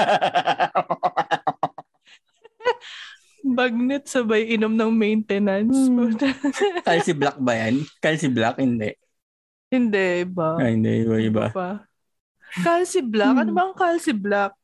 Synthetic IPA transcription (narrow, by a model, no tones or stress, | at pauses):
bɐɡ̚nɪt̪̚sɐbajʔɪnomnɐŋmɛjnt̪ɛnɐnskodkalsɪblak̚bɐjankalsɪblakhɪnd̪ɛʔ | hɪnd̪ɛʔʔɪbaahɪnd̪ɛ̰ʔɪbaʔɪba̰ba | kalsɪblakɐnobɐŋkalsɪblak̚